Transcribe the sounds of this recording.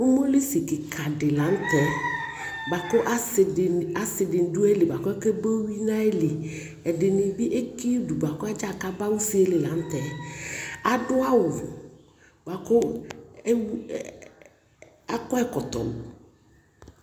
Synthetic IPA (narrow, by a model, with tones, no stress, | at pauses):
ʊ˦mo˦le˦si˨kɪ˨kʰa˨dɪ˨lã˨˦n̩˦t̪ɛ˨˦ | ba˨kʊ˦ʔa˦sa˨sɪ˨dɪ˨n˨du˦ɛ˦lɪ˨ba˨kʊ˦ɛ˦ke˦bo˦wi˦nã˦e˦lɪ˨ | ɛ˨dɪ˨nɪ˨bi˦ʔe˦ki˦du˨ba˨kʊ˦a˦d͡ʒa˦˨ka˨ba˦wu˦si˦e˦lɪ˨la˨˦n̩˦t̪ɛ˨ | a˨dʊ˦a˦wʊ˨ | ba˨kʊ˦ | w | a˦kɔ˦ɛ˦kɔ˨t̪ɔ̰˨ʊ˨